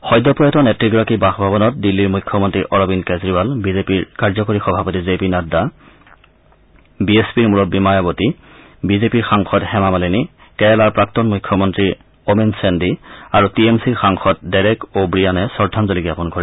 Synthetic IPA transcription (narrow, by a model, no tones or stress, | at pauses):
xɔjdɔpɔjɔtɔnɛtɹiɡɔɹakibaxbʱabɔnɔt̚dilːiɹmujkʰːɔmɔntɹiʔɔɹɔbinkezɹibalbizepiɹkaɹzɔkoɹixɔbʱapɔtizepinada | biespiɹmuɹɔbimajaboti | bizepiɹxaŋxʰɔthɛmamaleni | kɛɛlaɹpɹak̚tɔnmujkʰːɔmɔntɹi | omensendiaɹutiemsiɹxaŋxʰɔt̚daɹɛkobɹijanɛsɔɹdʱanzoliɡjapɔnkɔɹɛ